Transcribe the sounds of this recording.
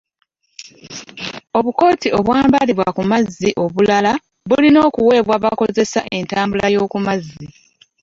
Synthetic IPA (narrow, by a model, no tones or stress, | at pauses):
o̞βuko̞ːtio̞βwaːmbaliβwa̰kumazːiʔo̞βulala | βulino̞ːkuwe̞ːβwaβako̞ze̞sa̰ʔe̞ntaːmbulajo̞ːkumazːi